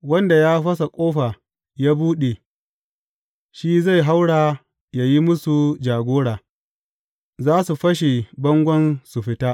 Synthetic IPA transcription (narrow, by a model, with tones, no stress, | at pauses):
wɐ˦nda˨jaː˦ɸɐ˦s̬a˨kʷʼoː˦ɸa˨ | jaː˦buː˦ɗe˨ | ʃiː˦za˦˨jɦa˦wɽaː˨ | ja˨ji˦mʊ˦su˨d͡ʒaː˨ɡʷoː˦ɽaː˨ | zaː˦su˨ɸɐ˦ʃ̬e˨bɐ˦ŋɡʷɐ˦nsu˨ɸɪ˦taː˦ʔ